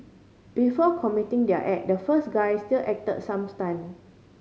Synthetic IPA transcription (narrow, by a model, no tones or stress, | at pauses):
b̥ifɔkʰɔmitĩŋdɛə̰ʔɛk̚dəfəsɡajstilʔɛk̚tə̰t̚sãmstãjm